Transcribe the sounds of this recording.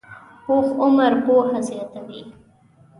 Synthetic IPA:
hoːxʊmaɾpohazjɑt̪awi

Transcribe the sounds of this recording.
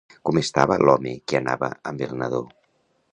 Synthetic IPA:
kumest̪aβəlʔɔmekiənaβəəmbelnəðo

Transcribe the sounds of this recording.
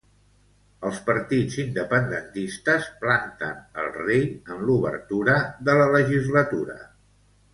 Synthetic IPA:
əlˠspəɾt̪id͡zind̪əpənd̪ənt̪ist̪əsplant̪ə̰nə̰lˠrejəmluβə̰ɾt̪uɾəðələləʒizlət̪uɾə̰

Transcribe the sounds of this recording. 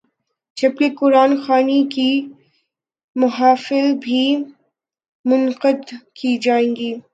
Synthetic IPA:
d͡ʒɐb̚kekʊɾaːnxaːniki | mʊɦaːfɪlbʱi | mʊnqəd̪kid͡ʒaːẽːɡiː

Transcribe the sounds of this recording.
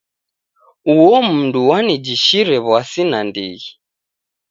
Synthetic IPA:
uɔm̩nduwanid͡ʒiʃiɾɛβwasinandḭɣi

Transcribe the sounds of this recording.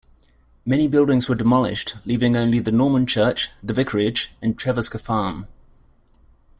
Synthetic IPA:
mɛñibɪlˠdɪ̃ŋzwədɪmɒlɪ̰ʃtliːvɪ̃ŋə̃ʊ̃nliðənɔːmə̃nt͡ʃʰɜˑt͡ʃðəvɪkʰəɹɪd͡ʒə̃ntʰɹ̥ɛvəskəfɑːm

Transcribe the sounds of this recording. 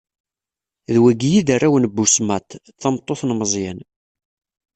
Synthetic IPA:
ðwæɡjiðarːawnbːusmæt̪ | θɑmt̪ˤːoθnməzˤjæn

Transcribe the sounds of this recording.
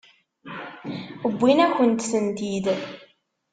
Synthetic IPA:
əbʷːinæçənt̪sənt̪id̪

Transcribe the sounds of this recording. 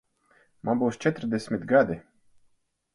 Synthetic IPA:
mambuwst͡ʃʲɛt̪ɾd̪ʲesʲmʲɪt̪ɡad̪ɪ

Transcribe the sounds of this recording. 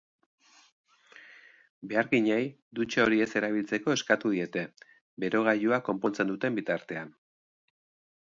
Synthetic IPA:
be̞aɾɣiɲej | d̪ut͡ʃeo̞ɾie̞se̞ɾaβ̞ilt͡se̞ko̞e̞skat̪uð̞ie̞t̪e̞ | be̞ɾo̞ɣajuako̞mpo̞nt͡se̞nd̪ut̪e̞mbit̪aɾt̪e̞an

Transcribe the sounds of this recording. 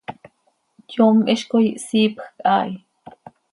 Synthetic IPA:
tjoːmʔiʃkojiʔsiːpxkʼʔaːʔi

